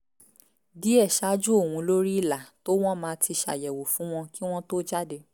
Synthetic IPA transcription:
di˨˦ɛ˦˨ʃa˨˦d͡ʒu˦o˦˨wũ˧lo˦ɾi˦i˦˨la˨to˦w̃ɔ̃˦mãː˧˦tʰi˧ʃa̰˨jɛ˨wo˨fũ˨˦w̃ɔ̃˧ki˦w̃ɔ̃˦to˦d͡ʒa˦de˧

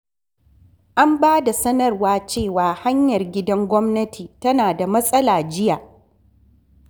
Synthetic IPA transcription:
ʔa˦mbaː˦da˨sɐ˦nɐ˦rwaː˦t͡ʃeː˦˨waː˨ha˦ɲjɐ˨rɡʲɪ˦dɐ˦ŋɡʷɔ˦mnɐ˦tʰiː˨tɐ˦naː˨da˨mɐ˦sʼɐ˦laː˨d͡ʒɪ˦jaː˨

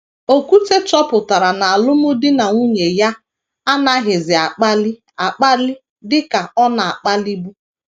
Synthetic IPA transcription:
o˦ku˦te˦t͡ʃɔ˦pʊ˨ta˨ɾa˨na˨a˨lʊ˦mʊ˦dɪ˦na˨ŋu˦ɲe˨ja˦ | a˦na˦ɦɪ˨zɪ˨a˨k͡pa˦lɪ˦ | a˨k͡pa˦lɪ˦ | dɪ˦ka˨ɔ˦na˨a˨k͡pa˦li˦bu˦

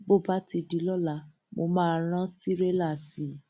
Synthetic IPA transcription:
bo˦˨ba˨˦ti˧di˨˦lɔ˦˨la˨˧˦ | mo˧mãː˦˨ɾ̃ã˦ti˦ɾe˦la˦˨si˨˦

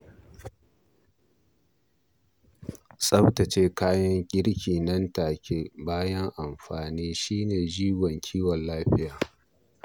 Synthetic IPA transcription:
sʼɐ˦btɐ˨t͡ʃeː˦kaː˦jɐ˦ŋkʲʼɪ˦ɽkʲiː˨nɐ˦ntaː˨kʲʰe˦baː˦jɐ˦ŋʔa˨mɸaː˨niː˦ʃiː˦neː˨d͡ʒiː˦wɔ˨ŋkʲʰiː˦wɔ˨nlaː˦ɸɪ˦jaː˨

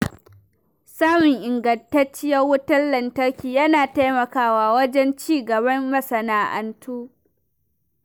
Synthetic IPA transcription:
saː˦mɪ˨ŋʔɪ˨ŋɡɐ˨ntɐ˦t͡ʃːɪ˦jɐ˦rwʊ˦tɐ˦nlɐ˨ntɐ˦rkʲiː˨jɐ˦naː˨ta˦jmɐ˨kaː˦waː˨wɐ˦d͡ʒɛ˦nt͡ʃiː˦ɡɐ˨bɐ˦mːɐ˦sɐ˨naː˨ʔɐ̰˨ntʰuː˦

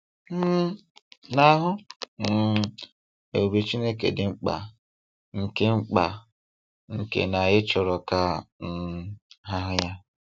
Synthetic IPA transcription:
m̩˦na˦ɦʊ˦m̩˦ | e˨u˨be˨t͡ʃi˦ne˦kḛ˨dɪ˨ŋ͡m̩˦k͡pa̰˨ | ŋ̩˨ke˦ŋ͡m̩˦k͡pa˨ | ŋ̩˨kḛ˨na˨ɣɪ˦t͡ʃɔ˨ɾɔ˨ka˦m̩˦ɦa˦ɦʊ˦ja˦

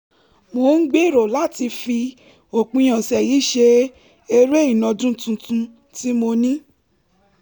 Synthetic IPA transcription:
mo˧˦n̩˦ɡ͡be˦˨ɾo˨la˨˦ti˧fi˧ | o˨k͡pũ˧j̃ã˨sɛ˨ji˨˦ʃe˧ | e˧ɾe˦i˦˨nɔ̃˧d͡ʒũ˦tũ˧tũ˧ | ti˦mo˧nĩ˦

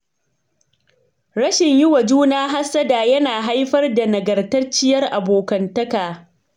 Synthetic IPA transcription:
ɾɐ˦ʃɪ˨ɲjʊ˦wa˨d͡ʒuː˦naː˦ɦa˦sːɐ˦daː˨jɐ˦naː˨ɦa˦jɸɐ˦rda˨nɐ˨ɡɐ˨rtɐ˦rt͡ʃɪ˦jɐ˦rʔa˨boː˨kɐ˨ntɐ˦kaː˨

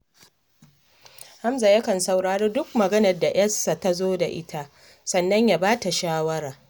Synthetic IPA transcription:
ha˦mza˨jɐ˦kɐ˨nsa˨wɽaː˨ɽiː˦dʊ˦k̚mɐ˨ɡɐ˦nɐ˨rda˨j̰ɐ˦sːa˨ta˦zoː˦da˨ʔɪ˦tʰa˦ | sɐ˨nːɐ˦ɲja˨baː˦ta˨ʃaː˦wɐ˦ɾaː˨

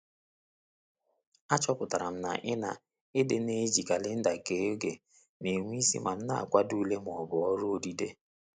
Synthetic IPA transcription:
a˦t͡ʃɔ˦pʊ˨ta˨ɾa˨m̩˦na̰˨ʔɪ˦na˨ | ɪ˦dɪ˨ne˦d͡ʒi˨ka˨lɪ˦n̩˦da˨ke˨o˦ɡe˨ | ne˨ŋʷ˦i˦sḭ˦ma˨m̩˦na̰˦a̰˨kʷa˦du˦le˦m˨ɔ˨bʊ˨ɔ˦ɾʊ˦o˦˨di˦de˦

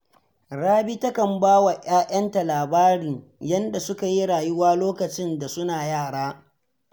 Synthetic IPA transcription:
ɽaː˦bi˦tɐ˦kɐ˨mbaː˦wa˨ʔj̰aː˦ʔɐ˦nta˨laː˨baː˦ɽiː˨ | jɐ˦nda˨sʊ˦ka˨ji˦ɽaː˨ju˦waː˦loː˦kɐ˨t͡ʃɪ˦nda˨sʊ˦naː˨jaː˦˨ɽaː˦

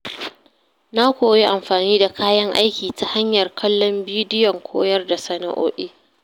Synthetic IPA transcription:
na˦kʷoː˨ji˦ʔa˨mɸaː˨niː˦da˨kaː˦jɐ˦ŋʔa̰˦jkʲiː˨ta˦ha˦ɲjɐ˨rkʰɐ˦lːɔ˦mbiː˦dɪ˦jɔ˨ŋkʷʰoː˦jɐ˦rda˨sɐ˦na̰˨ʔo̰ː˦ɗiː˦

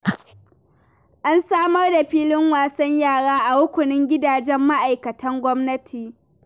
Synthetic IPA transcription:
ʔa˦nsaː˦mɐ˦rda˨ɸiː˦lɪ˦ŋwaː˨sɐ˦ɲjaː˦˨ɽaː˦ʔa˨wʊ˦kʷʊ˨nɪ˦ŋɡʲɪ˦daː˨d͡ʒɛ˦mːa˦ʔa˨jkɐ˨tʰɐ˦ŋɡʷɔ˦mnɐ˦tʰiː˨

